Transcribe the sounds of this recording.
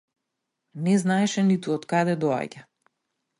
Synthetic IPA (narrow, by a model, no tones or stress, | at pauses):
nɛznaɛʃɛnit̪uɔt̪kad̪ɛd̪ɔa̰ɟa